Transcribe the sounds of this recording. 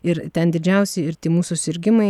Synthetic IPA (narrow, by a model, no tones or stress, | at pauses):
ɪɾt̪ʲɛnd̪ʲɪd͡ʒʲɛʊsʲɛɪɾt̪ʲiːmuːsusʲɪɾʲɡʲɪmɐɪ